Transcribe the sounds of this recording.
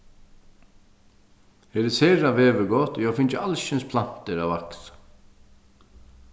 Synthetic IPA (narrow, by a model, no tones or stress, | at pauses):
hɛɾɪseːɾaʋɛːʋəɡɔt̪jaːfɪnt͡ʃəalʃɪnspʰlan̥t̪əɾawaks